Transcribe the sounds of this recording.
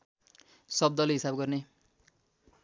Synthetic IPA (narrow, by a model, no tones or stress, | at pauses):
sʌb̚d̪ʌlɦisabɡʌrne